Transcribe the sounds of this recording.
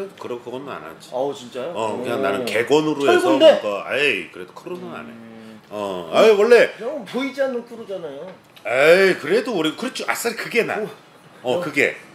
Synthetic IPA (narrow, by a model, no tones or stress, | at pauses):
kɯɾʌkɯɡʌnɯna̰na̰d͡ʑi̥at͡ɕint͡ɕ͈ajoʌkɯɲaŋnanɯke̞ɡwʌnɯɾoeʌɭsɡuʌnndeɡʌa̰kɯɾe̞d̥okʰɯɾonɯna̰nḛ | ʌaiwʌɭːe̞poid͡ʑianːokʰuɾod͡ʑanajo | akɯɾe̞doːɾiɡokɯɾet͡ɕʰoʔas͈aɾikɯɡena̰ | ʌkɯɡe̞̰